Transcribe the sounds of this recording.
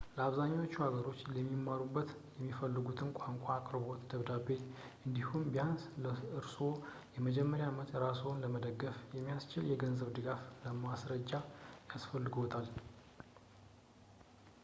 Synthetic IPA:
ləaβzaɲːawot͡ʃːuhaɡəɾo̞t͡ʃːlɛmːimːaɾubːət̪ | jɛmːifəlːɨɡut̪ʰɨnkʷʼaŋkʷʼaːkʼɾɨbo̞t̪d̪əβd̪abːe̞ | ɨnd̪ihumbijansləɨɾso̞ | jɛməd͡ʒɛmːəɾjamət̪ɾasownləməd̪əɡːəfjɛmːijast͡ʃɪljɛɡənzəβd̪ɨɡafləmasɾəd͡ʒːajasfəlːɨɡowt̪ʰal

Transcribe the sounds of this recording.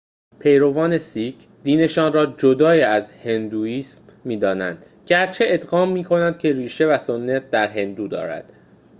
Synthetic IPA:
pʰe̞jɾo̞vɒːne̞sicʰd̪iːne̞ʃɒːnrɒːd͡ʒod̪ɒːiːæzhe̞nd̪uːiːsmːiːd̪ɒːnæ̰nd̪̥ | ɟæɾt͡ʃʰe̞ʔed̪ɣɒːmːiːkʰo̞nænd̪̥̚cʲʰe̞ɾiːʃe̞væsonːæt̪̚ʰd̪æɾɦe̞nd̪uːd̪ɒ̰ːɾæ̰d̪̥

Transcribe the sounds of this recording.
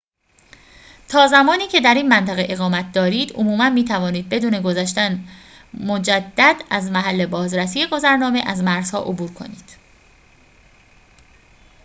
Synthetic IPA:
t̪ʰɒːzæmɒːniːcʰe̞d̪æɾiːnmænt̪ʰæɣeʔeɣɒːmæt̪̚ʰd̪ɒːɾiːd̪̥o̰muːmænmiːt̪ʰævɒːniːd̪̚be̞d̪uːne̞ɡozæʃt̪æn | mo̞d͡ʒæd̪ːæd̪æzmæɦælːe̞bɒːzɾæsijeɡo̞zæɾnɒːme̞ʔæzmæɾz̥hɒ̰ːʔobuːɾkʰo̞̰nḭːd̪̥

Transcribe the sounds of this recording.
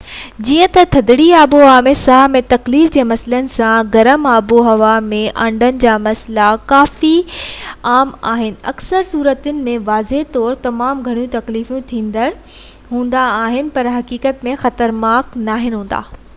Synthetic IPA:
d͡ʑiːə̃t̪ɐt̪ʰɐd̪ɪɽiaːboɦaːmẽsaːmẽt̪ɐkliːfd͡ʑeːmɐslənɪ̆sãɡɐɾəmaːboɦɐʋamẽʔɐ̃ɳɖənɪ̆d͡ʑaːmɐslakaːfi | aːma̰ːɦɪnɪ̆ɐ̰ksəɾsuːɾət̪ənɪ̆mẽʋaːzeɦt̪ɔːɾt̪ɐmaːmɡʱɐɽ̃ijũt̪ɐkliːfjũt̪ʰĩːnd̪əɾ | ɦũːnd̪aːɦɪnɪ̆pɐɾɦɐkiːkət̪mẽxɐt̪əɾnaːknaːɦɪnɦũːn̆d̪a̰ː

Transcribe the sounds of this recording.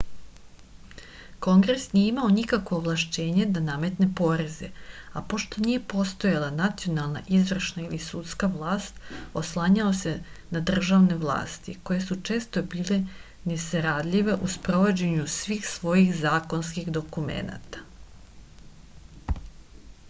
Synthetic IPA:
ko̞ŋɡɾe̞snijeimao̞nikakʋo̞ːʋlˠaʃt͡ɕe̞ːɲe̞d̪aname̞t̪ne̞po̞ɾe̞zḛapo̞ʃt̪o̞nije̞po̞st̪o̞jalˠanat̪sio̞nalˠna̰ʔizʋr̩ʃnailisut̪skaʋlˠaːst̪oslˠaːɲao̞se̞nad̪r̩ʒaʋne̞ʋlˠa̰ːst̪ḭko̞je̞sut͡ʂe̞ːst̪o̞biːle̞ | ne̞saɾad̪lʲiʋe̞ʔuspɾo̞ʋo̞d͡ʑe̞ɲusʋiːxsʋo̞jixzaːko̞nskixd̪o̞kumḛna̰t̪ḁ

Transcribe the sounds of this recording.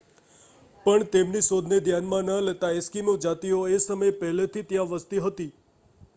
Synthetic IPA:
pəɳt̪emnisod̪ʱned̪ʱjanmãnəlet̪aeskinũd͡ʒat̪ioesəməjpəɦlet̪ʰit̪jãʋəst̪iɦət̪i

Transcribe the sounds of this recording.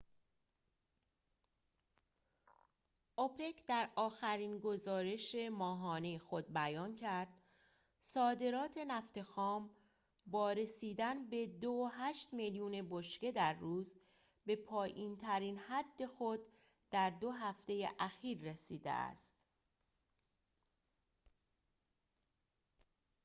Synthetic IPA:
ʔopʰe̞kʰd̪æɾɒːxæɾiːnɡo̞zɒːɾe̞ʃe̞mɒːɦɒːnejexo̞d̪̚bæjɒːncʰæɾd̪̥ | sɒːd̪e̞ɾɒːt̪ʰe̞næft̪e̞xɒːm | bɒːɾe̞siːd̪ænbe̞d̪oɦæːʃt̪meljuːne̞boʃce̞d̪æɾːuːz | be̞pʰɒːjʔiːnt̪ʰæɾiːnhæd̪ːe̞xo̞d̪̥ː | æɾd̪o̞ɦæft̪e̞jḛʔæxiːɾːesiːd̪ḛæ̰st̪

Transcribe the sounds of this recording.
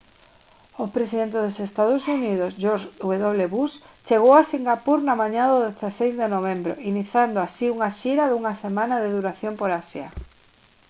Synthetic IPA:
opɾesiðent̪eðosest̪aðosuniðosʒoɾʃuβeðoβleβust͡ʃeɣowasiŋɡapuɾnamaɲaðoðeθasejzðenoβ̞embɾo̰iniθjand̪oasiuŋaʃiɾaðuŋasemãnaðeðuɾaθjompoɾasja̰

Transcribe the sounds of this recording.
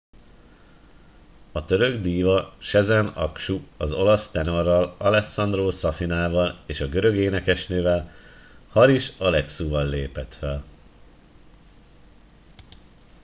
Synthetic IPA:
ɒt̪ø̞ɾø̞ɡd̪iːvɒʃɛzɛnɒkʃuɒzo̞lɒst̪ɛno̞rːɒlɒlɛsɒnd̪roːsɒfinaːvɒleːʃɒɡø̞ɾø̞ɡeːnɛkɛʃnøːvɛlhɒɾiʃɒlɛksuːvɒlːeːpɛt̪fɛl

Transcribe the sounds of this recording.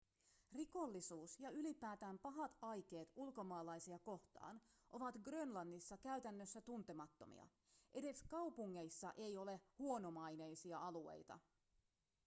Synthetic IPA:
riko̞lːisuːsjɑylipæːt̪æːmpɑɦɑt̪ɑjk̟e̞ːt̪ulko̞mɑːlɑjsiɑko̞ht̪ɑ̰ːnʔo̞ʋɑt̪ɡrønlɑnːisːɑkæyt̪ænːøsːæt̪unt̪e̞mɑt̪ːo̞̰mʔḭɑ̰ | ʔe̞de̞skɑwpuŋːe̞jsːɑ̰ʔe̞jo̞le̞huo̞no̞mɑjne̞jsiɑɑlue̞̰jt̪ɑ̰

